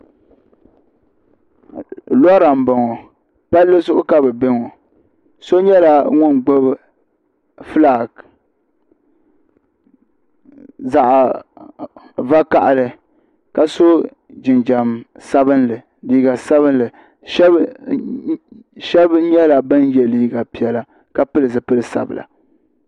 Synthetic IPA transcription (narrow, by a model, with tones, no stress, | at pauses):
lɔ˦ɾa˨m˨ba˨ŋɔ˨ | pa˦lːɨ˦sʊ˦ʔʊ˦ka˦bɛ˨bɪ˦ŋo˨ | so˦ɲɛ˦la˨ŋʊ˦nɡ͡bo˦b | fɨ˦la˦˨ɡ | za˨ʔa˨ | va˦ka˨ʔa˨lɨ˨ | ka˨so˦ | d͡ʒɪ˨nd͡ʒa˨msa˦bɨ˦nlɨ˨ | liː˨ɡa˨sa˦βɨ˦n˦lɨ˨ | ʃɛ˦b | ʃɛ˦bɲɛ˦la˨ba˦njɛ˦liː˦˨ɡa˨pi˨ɛ˨la˦ | ka˦pɨ˦lɨ˨zɨ˨pɨ˦lɨ˨sa̰˨bɨ˨la̰˨